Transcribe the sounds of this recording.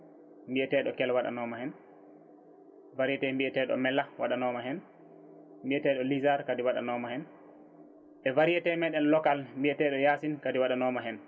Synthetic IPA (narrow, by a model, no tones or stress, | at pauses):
mbiɛtɛːɗɔkɛlwaɗa̰nɔmahɛn | vaɾiɛtɛmbiɛtɛɗɔ̰mɛlːawaɗanɔmaɦɛn | mbiɛtɛːɗɔlizaɾkadiwaɗa̰nɔːmaɛn | ɓɛvaɾijɛtɛmɛɗɛnlɔkalmbiɛtɛɗɔjaːsinkadiwaɗanɔmaɦɛn